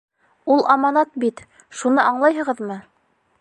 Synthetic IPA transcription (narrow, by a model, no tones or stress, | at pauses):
ulˠʔɑmɑnɑt̪̚bit̪ | ʃunɤʔɑɴlˠɑjɦɤ̆ʁɤðmɤ